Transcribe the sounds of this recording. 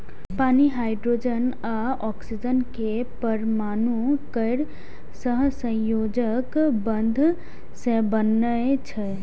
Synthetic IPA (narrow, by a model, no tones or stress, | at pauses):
paniɦajɖɾod͡ʒən | aɔksid͡ʒənke | pəɾmanukəɪɾ | səɦsə̃jod͡ʒəkbənd̪ʱ | sebənːət͡ʃʰə